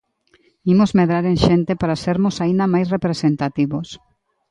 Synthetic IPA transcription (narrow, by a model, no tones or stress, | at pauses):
imozmeðɾaɾẽŋʃent̪epaɾaseɾmosaind̪amajsrepɾesent̪at̪iβos